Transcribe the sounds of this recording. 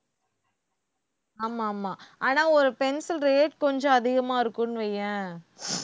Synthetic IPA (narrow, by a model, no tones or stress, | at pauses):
aːmaːmaːaːnaːɔɾɯpɛnsɪlɾeːʈkɔɲd͡ʒɔ̃ɐðɪɣɐmaːɪɾɯkːɯnːɯʋɛjːɐ̃